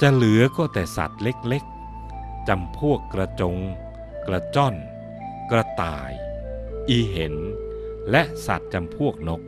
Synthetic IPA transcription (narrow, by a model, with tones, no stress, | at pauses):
t͡ɕa˧lɯ˨˩˦ɐkɔː˥˩t̪ɛː˨˩sa̰˨˩t̪̚le˦˥k̚le˦˥k̚ | t͡ɕa˧mpʰu˥˩əkːɾa˧t͡ɕo˧ŋ | kɾa˧t͡ɕɔ˥˩n | kɾa˧t̪a̰ː˨˩jʔiː˧ɦe˩˦nlɛ˦˥ʔsa̰˨˩t̪̚t͡ɕa˧mpʰu˥˩ək̚no˦˥k̚